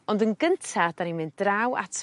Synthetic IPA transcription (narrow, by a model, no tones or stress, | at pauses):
ɔndənɡəntʰad̥animɪnddrawa̰tʰ